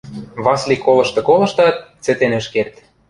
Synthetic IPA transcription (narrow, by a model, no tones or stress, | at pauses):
βɑslikːolɤ̆ʃt̪ɤ̆kolɤ̆ʃt̪ɑt̪̚t͡sɘ̆t̪enɘ̆ʃkert̪